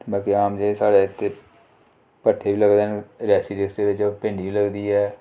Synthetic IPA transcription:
baːkiaːmd͡ʒeːsaːɽeːɪt̪ʰːeː | pəʈʰːeːʋiːləɡd̪eːnɾɛːsiːʈɪksd̪eːʋɪt͡ʃpɪ̃ːɳɖiːʋiːləɡd̪iːɛː

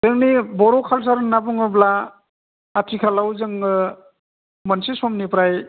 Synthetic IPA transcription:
zɯŋnibɔɾɔkʰals̬aɾnapuŋɯblaː | tʰikʰalawzɯŋɡɯ | mansisɔmnipɾaj

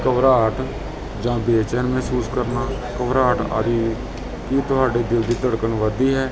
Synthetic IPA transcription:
kəʋɾaːʈʰ | d͡ʒãːbeːt͡ʃɛːnmɛɦːsuːskəɾnaː | kəʋɾaːʈʰa̰d̪iː | kiːt̪ʊɦaːɖeːd̪ɪld̪iːt̪əɽkənʋəd̪iːɦɛː

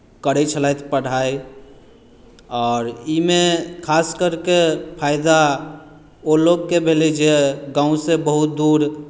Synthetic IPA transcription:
kəɾɛt͡ʃʰəlajt̪ʰpəɽ̤aːi | ɔːɾimẽkʰaːskəɾkepʰaːɪd̪a | oloɡ̚kebʱelid͡ʒeɡãːũsebəɦʊt̪̚d̪uːɾ

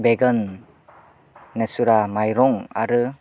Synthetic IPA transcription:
beɡən | esuɾamajɾɔŋa̰ɾɯ

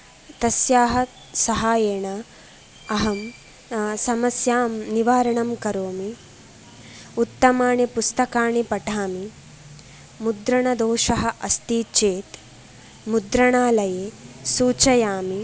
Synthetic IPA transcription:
t̪ɐsjaːɦɐ | sɐɦaːjeːɳɐ | ɐɦɐm | sɐmɐsjaːmniʋaːɾɐɳɐmkɐɾoːmi | ut̪ːɐmaːɳipust̪ɐkaːɳipɐʈʰaːmi | mud̪ɾɐɳɐd̪oːʃɐɦɐ̆ʔɐst̪iːt͡ʃeːt̪ | mud̪ɾɐɳaːlɐjeːsuːt͡ʃɐjaːmi

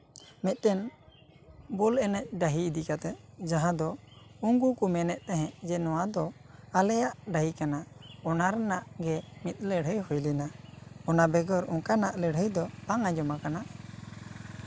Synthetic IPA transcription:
mɛt̪̚ˀtɛn | bɔlɛnɛt̪̚ɖaɦiːd̪ikat̪ɛd͡ʒãɦãd̪ɔuŋɡukumɛnɛʔt̪ɛɦɛ̃ʔd͡ʒɛnɔwad̪ɔalɛjaʔɖaɦikanaɔnaɾnaʔɡɛmit̪̚ˀləɽ̤əjhɔjlinaɔnabɛɡɔɾɔkanaʔləɽ̤ɦəjd̪ɔpaŋad͡ʒɔmakana

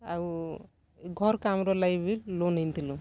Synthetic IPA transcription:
au | ɡʱɔɾkamɾɔlajbillonejnt̪ʰilu

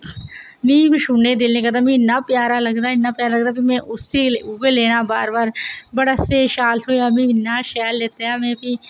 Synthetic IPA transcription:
mĩːkʃuned̪ɪlnẽkɐd̪amĩnɐpjaːɾalɐɡɾaːnapjaːɾalɐɡɾapimɛ̃ʔʊseuɡeleːnabaːɾbaːɾbɐɽaseʃaːlt̪ʰojamĩnaʃɛːlːeːt̪eaːmẽːpi

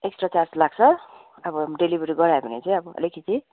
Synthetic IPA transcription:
eksʈrat͡sarslaɡt͡sʰʌ | ʌbʌɖelibʱʌɾiɡʌɾaebʱʌnet͡saj̃ʌbʌʌ̰lekʰit̪i

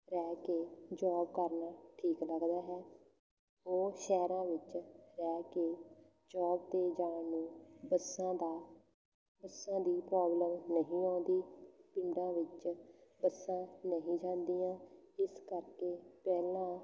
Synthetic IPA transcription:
ɾɛːkeːd͡ʒɔːbkəɾnaːʈʰiːkləɡd̪aːɦɛː | oːʃɛːɾãːʋɪt͡ʃɾɛːkeː | d͡ʒɔːbd̪eːd͡ʒãːnũːbəsãːd̪aː | bəsãːd̪iːpɾɔːbləmnəɦĩːaːnd̪iːpɪɳɖãːʋɪt͡ʃbəsãːnəɦĩːd͡ʒãːnd̪iːãːɪskəɾkeːpɛːlãː

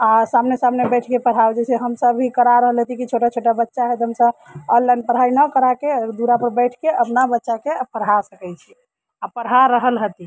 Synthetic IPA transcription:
asamnesamnebɛʈʰkepəɽ̤ɦawd͡ʒɛseɦəmsəbʱikəɾaɾəɦəlɦət̪ikit͡ʃʰoʈat͡ʃʰoʈabətːʃaɦɛt̪ɦəmsəbɔllːanpəɾ̤ainəkəɾaked̪uɾapəɾbəʈʰkeəpnabətːʃakepʰəɾasəkɛt͡ʃʰi | apəɽɦaɾəɦəlɦət̪i

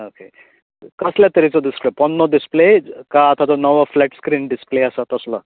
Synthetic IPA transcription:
oke | kəsljat̪əɾit͡sɔd̪isplepɔnːɔd̪isplekaːt̪ʰat̪ɔnəʋɔflɛʈskɾiːnɖispleəsat̪əslɔ

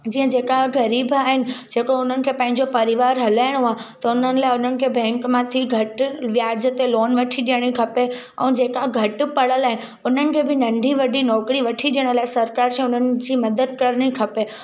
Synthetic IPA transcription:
d͡ʑiːə̃d͡ʑeːkaɦɡɐɾiːbaːɦɪnɪ̆d͡ʑeːkoʊn̤ənɪ̆kʰepɐ̃ɦɪ̃ɲd͡ʑopɐɾɪʋaːɾɦɐlaːɪɽ̃ɦat̪ɐʊnənɪ̆laːɪʊn̤ənɪ̆kʰebɛ̃ːŋkmãt̪ʰiɡʱɐʈʋjaːd͡ʑət̪eloːnʋɐʈʰiɗijəɽ̃ikʰɐpe | ɛ̃ːd͡ʑeːkaɡʱɐʈpɐɭ̤əlaːɦɪnɪ̆ | ʊn̤ənɪ̆kʰeːbɪnɐ̃ɳɖʱiʋɐɗʱinɔːkɽiʋɐʈʰiɗijəɽ̃laːɪsɐɾkaːɾkʰẽʊnənɪ̆d͡ʑiːmɐd̪əd̪̚kɐɾɽ̃ikʰɐpe

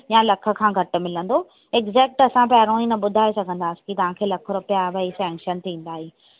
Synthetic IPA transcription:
jalɐkʰə̆kʰãːɡʱɐʈ̆mɪlə̃n̆d̪o | eɡzɛːk̚ʈɐsãpɛːɾõĩnɐɓʊd̪ʱaːesɐɡʱə̃nd̪aːsi̥kit̪ɐʋ̤ãkʰeːlɐkʰəɾʊpejaʋɐisɛ̃ːŋkʃənt̪ʰĩːn̆d̪aːɦiː

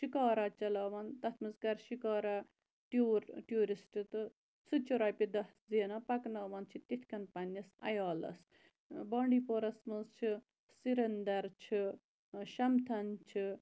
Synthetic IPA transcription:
ʃikaːɾat͡ʃɐlaːʋɐnt̪ɐt̪ʰmɐzkɐɾʃikaːɾa | ʈuːɾʈjuːɾisʈɨt̪ɨ | sɨt͡ʃʰuɾaːjpid̪ɐhziːnaːpɐknaːʋɐnt͡ʃʰit̪it̪ʲʰkɐnpɐnɐsɐ̰jaːlɐ̰s | bɔːɳɖiːpoːɾɐsmɨzt͡ʃʰi | siɾɐnd̪ɐɾt͡ʃʰi | ʃɐmt̪ʰɐnt͡ʃʰi

